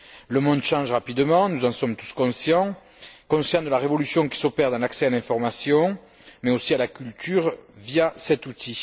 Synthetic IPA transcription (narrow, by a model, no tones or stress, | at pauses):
ləmɔ̃d̪əʃɑ̃ʒʁapid̪mɑ̃nuzɑ̃sɔmt̪u̥skɔ̃sjɑ̃ | kɔ̃sjɑ̃d̪əlaʁevɔlysjɔ̃ki̥sɔpɛʁd̪ɑ̃laksɛalɛ̃fɔʁmasjɔ̃ | mɛosialakʲylt̪ʰyʁvijasɛt̪ut̪ʰi